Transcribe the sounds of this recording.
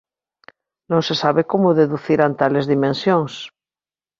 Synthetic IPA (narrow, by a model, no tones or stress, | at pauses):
nõnsesaβekomoðeðuθiɾant̪alezðimẽnsjoŋs